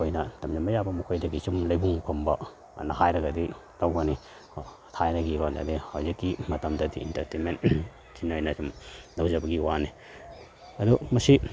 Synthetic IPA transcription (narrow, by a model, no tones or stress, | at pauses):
ojnɐdɐmd͡ʒɐmɐjabɐmukʰojdɐɡisumlɐjbuŋpʰɐmbɐ | nɐɦajɾɐɡɐdi | tawɡɐni | tʰajnɐɡiɾondɐ̰dihawzikːimɐtɐmdɐdḭḭntɐɾtenmen | sinojnɐsumdɐwzɐbɐɡiwani | ɐdumɐsi